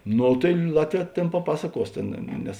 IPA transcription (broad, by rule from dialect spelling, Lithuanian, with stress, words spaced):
ˈnoː tɐɪ ˈlˠɑːtʲˌʋʲɛː ˈtʲeːn pɐˈpɑːsɐˌkuɔs ˈtʲeːn ˈnʲɛs